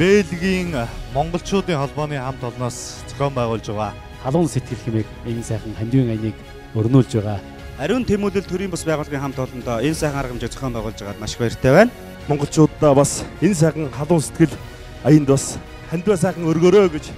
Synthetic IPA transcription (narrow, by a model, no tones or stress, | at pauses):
peːɮɣiːŋmɔɴɢɞ̆ɬt͡ɕʊːt̪iːŋχɔɮpɔːniːŋχam̥t̪ʰɔɮnɔːst͡sʰɔ̥xʲɔːmpæːʁʊːɮt͡ɕɪ̆ʁaː | χaɮʊːnset̪̚ɡɘ̆ɮxemeːkensæːχə̆ŋχæmʲt̪wiːŋajniːk | ɵrnuːɮt͡ɕpæːʁaː | æɾʲɪ̆nt̪ʰemuːɮɘ̆ɮt̪ʰɵɾiːmpʊspæːʁʊːɮʁiːŋχam̥t̪ɔɮɞ̆nt̪ɔːensæːχə̆ŋaɾʁə̆mt͡ɕɪk̚t͡sḁxɔːmpæːʁʊːɮt͡ɕɪ̆ʁaːt̪maʃɪ̥̆kaɪr̥t̪ʰeːwæːn | mɔɴɢɞ̆ɬt͡ɕʊːt̪ːaːpasens̬æːχə̆ŋχaɮʊːnse̥t̪ɡɘ̆ɮ | ajə̆nt̪pas | χænʲt̪wæːs̬æːχə̆ŋɵrɣoːɾoːɡet͡ɕ